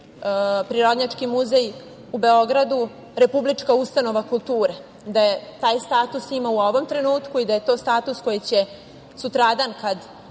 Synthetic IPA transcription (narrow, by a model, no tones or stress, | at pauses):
pɾiɾo̞d̪ɲat͡ʂkimuzej | ube̞o̞ɡɾad̪u | ɾe̞publit͡ʂkaust̪ano̞ʋakulˠt̪uːɾe | d̪ajet̪aːjst̪aːt̪usimauo̞ʋo̞mt̪ɾe̞nuːt̪kuid̪aje̞t̪o̞ːst̪aːt̪usko̞jit͡ɕe | sut̪ɾad̪ankad̪